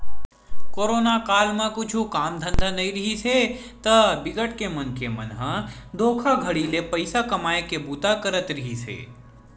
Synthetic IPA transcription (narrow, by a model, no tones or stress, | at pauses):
koːɾoːnakaːlmãkʊt͡ʃʰukaːmd̪ʱə̃nd̪ʱanɐiɾɐɦise | t̪ɐbɪɡəʈkemɐnkemɐ̰nɦə̃d̪oːkʰaɡʱəɽilepɐɪsakɐmaːekebuːt̪akəɾət̪ɾɐɦisḛː